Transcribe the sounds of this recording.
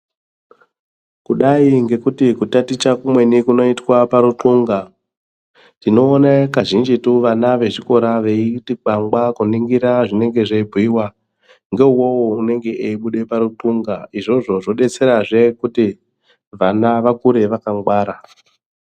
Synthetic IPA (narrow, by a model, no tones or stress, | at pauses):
kuɗaiŋɡe̞kutikutatit͡ʃakumwe̞nikuno̞itwapaɾuǃuŋɡa | tino̞ːnakaʒind͡ʒituʋanaʋe̞ʐiko̞ɾaʋe̞itiɡ͡baŋɡakuniŋɡiɾaʐine̞ŋɡe̞ʐeibʱiwa | ŋɡe̞uwo̞woune̞ŋɡe̞ʔeiɓuɗe̞paɾuǃuŋɡaiʐo̞ʐo̞ʐo̞ɗe̞t͡se̞ɾaʐe̞kuti | ʋanaʋakuɾe̞ʋakaŋɡwaːɾa